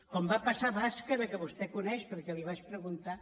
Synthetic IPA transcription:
kɔmbapasaβaskəðəkəβust̪ɛkunɛʃpəɾkɛliβaʃpɾəɣunt̪a

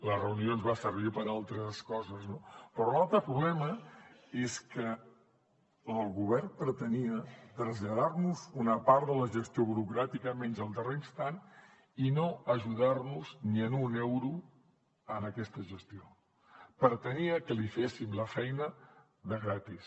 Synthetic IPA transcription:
lərəunionzβasəɾβipəɾalˠt̪ɾəskɔzəznopɾɔlalˠt̪ɾəpɾuβlɛməeskə | lˠɣuβɛrpɾət̪əniət̪ɾəzʎəðarnuzunəpaɾt̪ðələʒəst̪ioβuɾukɾat̪ikəmɛnzəlˠd̪ərest̪an | inoəʒuðarnuzniənunɛwɾu | ənəkɛst̪əʒəst̪io | pəɾt̪əniəkəlifesimləfɛjnə | ðəɣɾat̪is

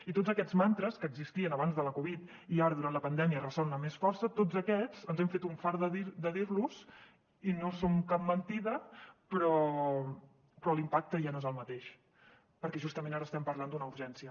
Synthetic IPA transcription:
it̪od͡zəkɛd͡zmant̪ɾəskəːɡzist̪iənəβ̞anzðələkuβit̪ | iaɾəðuɾant̪ləpənd̪ɛmiərəsɔlnəmesfɔɾsət̪od͡zəkɛd͡zənzɛmfet̪uɱfaɾðəðid̪əðiɾluz̥ | inosomkap̚mənt̪iðəpɾɔ | pɾɔlimpak̚t̪əʒanoezəlˠmət̪eʃ | pəɾkɛʒust̪əmẽnaɾəːst̪ɛmpəɾland̪unəuɾʒɛnsiə

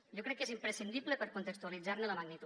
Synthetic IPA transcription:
ʒokɾɛkːezimpɾesind̪iβlepəɾkunt̪ekst̪ualid͡zaɾnələməɡnit̪

